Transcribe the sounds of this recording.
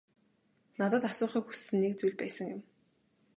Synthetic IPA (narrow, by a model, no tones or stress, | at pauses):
nat̪ə̆t̪asʊːχiːkxusːɘ̆nːekt͡sujɮpæːsə̆ŋjʊ̆m